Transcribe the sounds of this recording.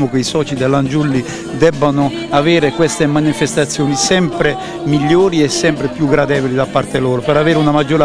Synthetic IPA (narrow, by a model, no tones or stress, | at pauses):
mʊkeisɔːt͡ʃid̪elːand͡ʒulːi | d̪ɛbːanʊ | avɛːɾekwest̪emanifest̪at̪sːjoːnisɛmpɾe | miʎːoːɾiɛsːɛmpɾepjuɡːɾad̪ɛːvolid̪apːart̪eloːɾopeɾaveːɾunamad͡ʒːoːɾa